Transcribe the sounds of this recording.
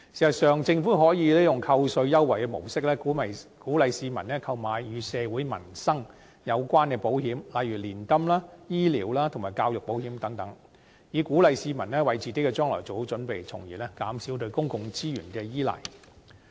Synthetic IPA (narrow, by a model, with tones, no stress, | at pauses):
siː˨˩sɐ˨t̚sœː˨ŋt͡sɪ˧ŋfuː˨˥ɦɔː˨˥jiː˨˧lɛː˥jʊ˨ŋkʰɐ˧wsɵ˧ɥjɐ˥wːɐ˨˩jkɛ˧mo̰˨˩wsɪ˥k̚lɛː˥˨˥mɐ˨kuː˨˥lɐ˨˧jsiː˧mɐ̰˨˩nlɛː˥kʰɐ˧wmaː˨˧jːyː˨˧sɛː˨˧wuː˨˥jmɐ̰˨˩nsɐ˥ŋ | jɐ˨˧wkʷaː˥nkɛː˧po˨˥whɦiː˨˥mlɐ˨˧jɥyː˨˩liː˨˩nkɐ˥mlaː˥jiː˥lḭː˨wlaː˥t̪ʰŋmaː˨˩jkaː˧wjʊ˨k̚po˨˥whiː˨˥mt̪ɐ˨˥ŋt̪ɐ˨˥ŋ | jiː˨kuː˨˥lɐ˨˧jsiː˧mɐ˨˩nɛː˥wɐ˨˩jt͡siː˨ke˨˥kːɛː˧t͡ʃœː˥ŋlɔ̰˨˩jt͡so˨who˨˥wt͡ʃɵ˨˥npe˨jt͡sʰʊ˨˩ŋjḭː˨˩lɛː˥kaː˨˥msi˨˥wt̪ɵ˧ɥkʊ˥ŋkʊ˧ŋt͡siː˥jyː˨˩nkɛː˧jiː˥lɐ̰˨j